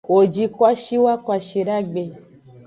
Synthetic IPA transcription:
wo˨d͡ʒi˦kwa˦ʃi˦wa˦kwa˨ʃi˨ɾa˦ɡ͡be˨

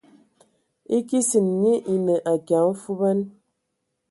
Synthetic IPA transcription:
i˦ki˦si˨nɲi˦ʔi˨ne˨ʔa˨kja˨˦m̩˦fu˦bɛ˦n

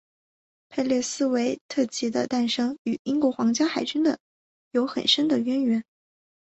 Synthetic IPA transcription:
pʰe˥˧ɪljɛ˥˩sɹ̩˥we˧˥ɪt̪ʰɤ˥˩t͡ɕʰi˧˥d̪ə̰˧t̪a˥˩nʂɤ˥ŋy˨˩i˥ŋkwɔ˧˥xwɑ˧˥ŋt͡ɕja˥xa˨˩ɪt͡ɕy˥nd̪ə˨ | jo˧˥ʊxə̰˨˩nʂə˥nd̪ə˨ɥɛ˥nɥɛ˧˥n

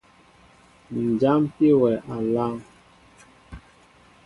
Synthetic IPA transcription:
n̩˨d͡ʒa˦mpi˦wɛ˨ʔa˨la˦ŋ

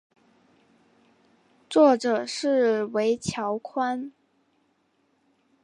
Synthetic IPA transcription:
t͡swɔ˥˩ʈ͡ʂɤ˨˩ʂɻ̩˥˩we˧˥ɪt͡ɕʰjɑ˧˥ʊkʰwa˥n

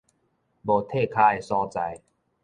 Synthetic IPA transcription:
boː˨˩t̪ʰeː˥˩kʰaː˧˨jsɔː˧˩t͡sa̰˧j

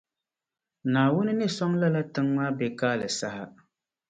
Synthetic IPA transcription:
naː˨wʊ˦nɨ˦nɨ˦sɔ˦ŋla˦la˦tɨ˦ŋma˦bɛ˨kaː˦lɨ˨sa˦ha˦

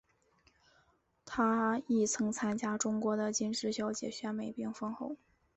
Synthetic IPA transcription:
t̪ʰa˥i˥˩t͡sʰɤ˧˥ŋt͡sʰa˥nt͡ɕja˥ʈ͡ʂʊ˥ŋkwɔ˧˥d̪ə˨t͡ɕi˥nʂɻ̩˥˩ɕjɑ˥ʊt͡ɕjɛ̰˨˩ɕɥɛ˥nme˨˩ɪpi˥˩ŋfɤ˥ŋxo˥˩ʊ

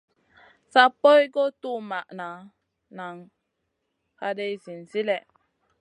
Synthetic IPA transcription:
sa˦po˦jɡo˦tu˦˨ma˨ʔna˨ | na˨ŋ | ka˦de˦jzi˨n˨zi˦lɛ˨

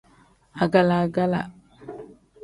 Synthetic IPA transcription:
a˨ɡa˨la˨ɡa˦la̰˨

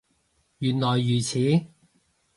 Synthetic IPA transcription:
jyː˨˩nlɔː˨˩jːyː˨˩t͡sʰiː˨˥

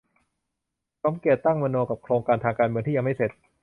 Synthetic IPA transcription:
sɔ˦mki˨˩ət̪ːa˥˩ŋma˧noː˧ka˨˩p̚kʰɾoː˧ŋkaː˧nt̪ʰaː˧ŋkaː˧nmɯ˧ŋt̪iː˥˩˧a˧ma˥˩se˨˩t̪̚

